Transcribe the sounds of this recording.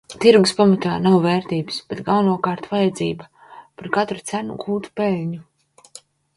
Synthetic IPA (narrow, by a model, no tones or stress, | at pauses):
t̪iɾɡuspamat̪aːnawvɛːɾt̪iːbsb̥et̪ɡawnuɔkaːɾt̪uvajad̪ziːba | paɾkat̪ɾut̪sænṵɡuːt̪u̥pelʲɲu